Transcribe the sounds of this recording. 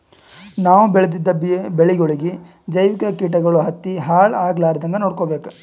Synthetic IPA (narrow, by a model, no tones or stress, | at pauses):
naːʋubɛɭɐd̪id̪ːɐbbeɭiɡoɭiɡe | d͡ʒɐjʋikɐkiːʈ̬ɐɡɐɭuɦɐt̪ːiɦaːɭaːɡlaːɾɐd̪ɐŋɡɐnoːɽkoːbeːkɐ